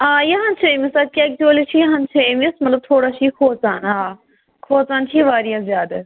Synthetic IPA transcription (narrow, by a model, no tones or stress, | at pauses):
aːjɐɦãnt͡ʃʰemisad̪̚kʲaːkt̪oːlit͡ʃʰijɦɐnt͡ʃʰeemsmɐt̪ləb̚t̪ʰoːɽat͡ʃʰikʰoːt͡saːnaː | kʰoːt͡saːnt͡ʃʰiʋaːɾijãzʲjaːd̪ɐ